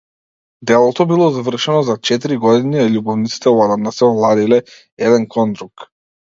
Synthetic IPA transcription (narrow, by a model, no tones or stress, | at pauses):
d̪ɛlˠɔt̪ɔbilˠɔzavr̩ʃɛnɔzat͡ʃɛt̪iɾiɡɔd̪iniaʎubɔvnit̪si̥t̪ɛad̪anasɛɔlˠad̪ilɛ | ɛd̪ɛnkʰɔnd̪ɾuk